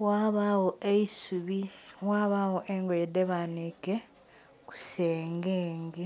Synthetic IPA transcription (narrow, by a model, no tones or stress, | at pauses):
waːβawoeisuβiwaβawoʔeŋɡojedeβanike | ku̥seːŋɡeːŋɡe